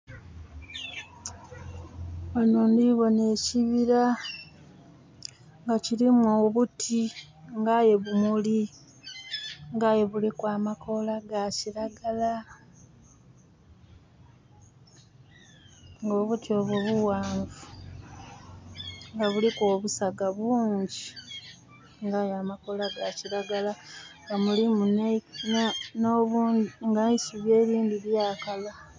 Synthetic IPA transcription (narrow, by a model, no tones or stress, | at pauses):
anondiβo̞ne̞ːciβiɾa | ŋɡaciɾimwoːβutʰi | ŋɡaje̞βumuli | ŋɡajeβulikwaːmako̞laɡaciɾaɡala | ŋɡo̞ːβutjo̞ːβwoβuwaːɱvu | ŋɡaβuliko̞ːβusaɡaβwuːɲɟi | ŋɡajaːmako̞laɡaciɾaɡalaŋɡamulimunennoβuŋɡaisuβje̞ːɾiːndiβjaːkala